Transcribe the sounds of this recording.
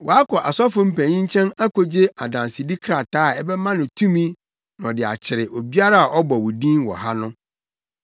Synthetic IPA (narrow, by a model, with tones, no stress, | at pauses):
wɔ˨a˦kʰɔ˨ʔa˨sɔ˦fʊ̃˦m̩˦pʰæ̃˨ɲĩ˦ɲ̩˦t͡ɕʰɛ̃˦na˦kʰo˨d͡ʑe˦a˨dã˨nsɪ˨di˦kʰɾa˨taː˦˨ɛ˦bɛ˦mã˦nʊ̃˨tʰũ˦mĩ˦ | nʊ̃˨dɪ˨a̰˨t͡ɕʰɪ˨ɾɪ˨ʔo˨bi˦a˦ɾa˦a˨ʔɔ˦bɔ˨wɔ˨dĩ˦nwɔ̰˨ɦa˦nʊ̃˦